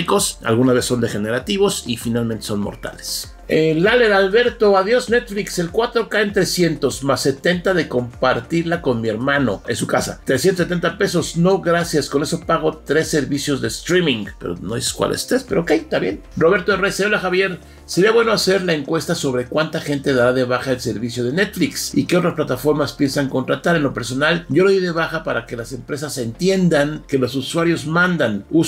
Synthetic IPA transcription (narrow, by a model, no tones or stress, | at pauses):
iko̞sa̰lɣunazβeso̞nd̪e̞xe̞ne̞ɾat̪iβo̞sifinalment̪e̞so̞nmo̰ɾt̪a̰le̥s | elale̞ɾalβe̞ɾt̪o̞aðjo̞sne̞t̪flikse̞lkwat̪ɾo̞kaent̪ɾe̞sje̞nt̪o̞smasːe̞t̪e̞nt̪aðeko̞mpaɾt̪iɾlako̞nmie̞ɾmano̞̰ḛnsukasa̰t̪ɾesjent̪oset̪e̞nt̪ape̞so̞sno̞ɣɾasjasko̞ne̞so̞paɣo̞t̪ɾe̞sːe̞ɾβisjo̞zðe̞st̪ɾimĩŋɡpe̞ɾo̰noðiseskwa̰lʔḛst̪ɾe̞spe̞ɾoːkejt̪aβjenro̞βe̞ɾt̪oerejseolaxaβje̞ɾ | seɾiaβweno̞ase̞ɾlae̞ŋkwe̞st̪aso̞βɾe̞kwant̪axe̞nt̪e̞ðaɾaðe̞βaxaelse̞ɾβisjo̞ð̞e̞net̪fliksikeo̞t̪ɾasplat̪afo̞ɾmaspje̞nsaŋko̞nt̪ɾat̪aɾe̞nlo̞pe̞ɾso̞nalɟ͡ʝo̞loðiðe̞βaxapaɾake̞lase̞mpɾe̞s̬ase̞nt̪je̞nd̪aŋke̞lo̞suswaɾjo̞zmãnd̪anu